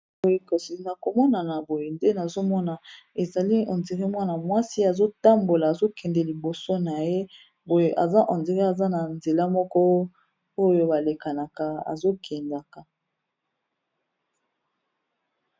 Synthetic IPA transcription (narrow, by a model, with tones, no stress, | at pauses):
o˨je˨ko˨si˨na˨ko˨mɔ˦na˨na˨bo˨je˨nde˦na˨zo˦mɔ˦na˨ | e˨za˨li˦ɔ˨nzi˨ʁi˦mwa˦na˨mwa˦si˦a˨zo˦ta˦mbo˨laː˨zo˦kɛ˨ndɛ˨li˨bo˨so˦na˨je˦ | bo˨je˨ʔa̰˨za˦ʔɔ̃˨nze˨ʁi˦a˨za˦na˨nze˨la˦mɔ˦kɔ˦ | o˦jo˦ba˨le˨ka˨na˨ka˨a̰˨zo˦kʰɛ˨nda˨ka˨